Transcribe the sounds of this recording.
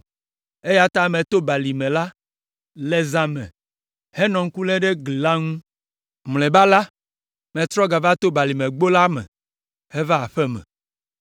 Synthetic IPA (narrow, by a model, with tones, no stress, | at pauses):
e˦ja˦t̪a˦mẽ˨t̪o˦ba˨li˨mẽ˨la˦ | le˦za˨meɛ̰̃˨ | hɛ˦nɔ̃˨ŋ̩˦ku˦lɛ˦ɖe˦ɡli˨la˦ŋũ˦ | mle˨ba˦la˦ | mẽ˨t̪ɾɔ˦ɡa˨va˦t̪o˦ba˨li˨mẽ˨ɡ͡bo˦la˦mɛ̰̃˨ | hɛ˦va˦a˨ɸɛ˦mɛ̰̃˨